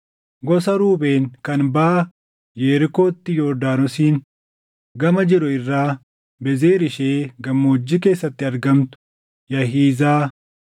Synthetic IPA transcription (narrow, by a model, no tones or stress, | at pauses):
ɡɔsɐɾuːbe̞ːŋkɐnbaː | jeːɾɪko̞ːt̪ːɪjo̞ːd̪aːnɔsiːn | ɡɐmɐd͡ʒɪɾʊɪrːaː | bɛzeːɾɪʃeːɡɐmːoːd͡ʒːɪke̞ːsːɐt̪ːɪɐɾɡɐmt̪ʊ̥ | jɐɦiːzaː